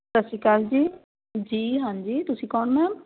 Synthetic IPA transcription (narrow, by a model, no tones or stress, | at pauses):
t̪əsikaːld͡ʒiː | d͡ʒiːɦãːnd͡ʒiːt̪ʊsĩːkɔːɳmɛ̃ːm